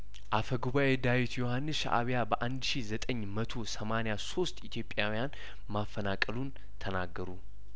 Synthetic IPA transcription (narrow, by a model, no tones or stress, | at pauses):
ʔafəɡuβaʔed̪awit̪jo̞hanːɨsʃa̰ʔa̰βjabəʔand̪ʃizət̪ʼəɲːmət̪ʰo̞səmanejaso̞st̪ʼit̪ʰjo̞pʼːjawijan | mafːənakʼəlun | t̪ʰənaɡːəɾu